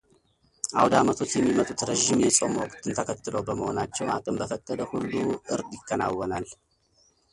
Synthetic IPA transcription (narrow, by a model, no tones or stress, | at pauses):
ʔawd̪amət̪ʰo̞t͡ʃjɛmːimət̪ʼut̪ɾəʒːɪmjɛsʼomokʼt̪ʰɨnt̪ʰəkʰət̪ːɨləwbəməho̞nat͡ʃːɛwakʼɨmbəfət̪ʼːəd̪əhulːuʔɨɾd̪jɪkːəna̰wːɔnal